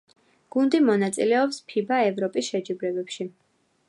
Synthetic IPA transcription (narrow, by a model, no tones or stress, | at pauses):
ɡ̥und̪imɔnat̪sʼilɛɔpspʰibaɛvɾɔpʼisʃɛd͡ʒibɾɛbɛpʃi